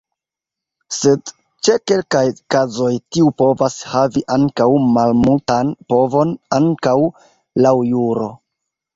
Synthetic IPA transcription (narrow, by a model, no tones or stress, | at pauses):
se̞d | t͡ʃe̞ke̞lkajkazo̞jtiupo̞vashaviʔaŋkawmalmultanpo̞vo̞naŋkaw | lawjuɾo̞